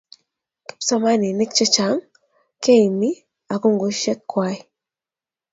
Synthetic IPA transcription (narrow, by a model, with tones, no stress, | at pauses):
ki̥˦psa˦ma˦ni˨ne˦kt͡ʃɔ˦t͡ʃa˨˦ŋ | ke˦i˨mi˦ | a˨ku˦ŋɡu˨ʃe˦kːwa˦i˨